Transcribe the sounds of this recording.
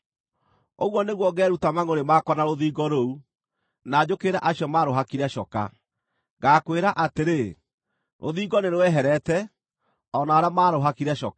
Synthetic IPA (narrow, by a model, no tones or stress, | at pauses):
oɣwɔneɣwɔɣɛːɾutamaŋoɾemakɔnaɾoðiːɡɔɾou | nad͡ʑokeɾaʔaɕiɔmaɾoɦakiɾɛʃɔka̰ | ɡaːkweɾaʔateɾe | ɾʔo̰ðiːɡɔneɾowɛɦɛɾɛtɛ | ɔnaoɾamaːɾoɦakiɾɛɕɔk